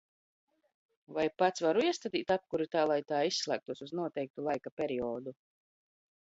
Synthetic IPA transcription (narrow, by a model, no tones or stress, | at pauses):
vajpat̪svaɾuiɛst̪at̪iːt̪ap̚kuɾit̪aːlˠajt̪aːisːlˠæ̰ːk̚t̪uɔsuznuɔt̪ɛjk̚t̪ulˠajkapʲɛɾiɔːd̪u